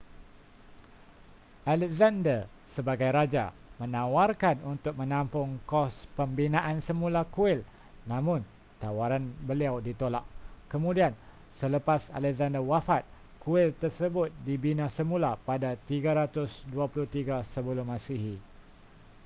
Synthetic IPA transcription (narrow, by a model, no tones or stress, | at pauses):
ʔalɛk̚zandər | səbaɡajɾad͡ʒa̰mə̃nãwarkanunt̪ʊk̚mə̃nãmpʊŋkɔspəmbinãʔansəmũlakuɪl | nãmʊ̃n | t̪awaɾanbəliawdit̪olaʔkəmũdian | sələpasa̰lɛk̚zandəwafat̪̚ | kuɪlt̪ərsəbʊt̪̚dibinãsəmulapadat̪iɡaɾat̪ʊsduapulʊht̪iɡasəbulʊmãsiɦi